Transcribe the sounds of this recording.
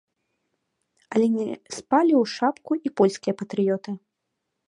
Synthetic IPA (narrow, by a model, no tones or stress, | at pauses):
ɐlʲɛnʲɛspalʲiwʂapkuipɔlʲsʲkʲijɐpɐt̪ɾɨjɔt̪ɨ